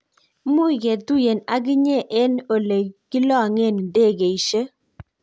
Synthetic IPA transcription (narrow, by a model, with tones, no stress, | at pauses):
mʊ˦˨ɡe˨du˦je˨na˨ɡɪ˦ɲe˦ʔɛ˦no˨le˨ɡ̥ɪ˦lɔ˦a˨ŋe˦˨n˨nde˦˨ɡe˨i˨ʃe˦